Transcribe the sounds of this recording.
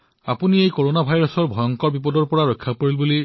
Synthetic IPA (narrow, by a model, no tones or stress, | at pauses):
apuniejkoɹonabʱajɹɔsɔɹbʱɔjɔŋkɔɹbipɔdɔɹpɔɹaɹɔjkʰːapoɹilbuli